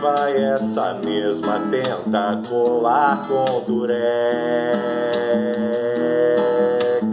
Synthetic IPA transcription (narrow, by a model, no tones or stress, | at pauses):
vajɛsɐ̰mezmɐt̪ẽnt̪akolakõd̪uɾɛ